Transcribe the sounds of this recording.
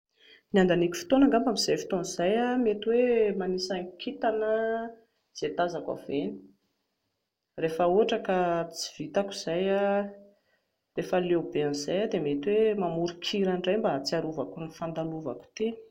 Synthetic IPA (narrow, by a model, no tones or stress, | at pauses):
niand̪anikʲu̥fi̥t̪onaŋɡambamiz̥ajfi̥t̪onizajamet̪iwemanisaŋkʲit̪anə | z̥et̪azaka̰veni̥ | refəoaʈ͡ʂəkat͡si̥v̥it̪akuz̥aja | refəlewbeanizajad̪emet̪iwemamuɾikʰiɾanɖ͡ʐajmbat͡siaɾuvakunifand̪aluva̰ku̥t̪e̥